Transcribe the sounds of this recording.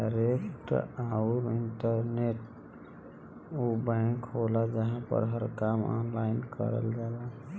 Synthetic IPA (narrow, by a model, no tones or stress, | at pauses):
aɾekʈauɾiɳʈəɾneʈ | obakɦolad͡ʒəɦãpə̰ɾɦəɾkamɔ̰nlaɪnkə̰ɾə̰ld͡ʒaːla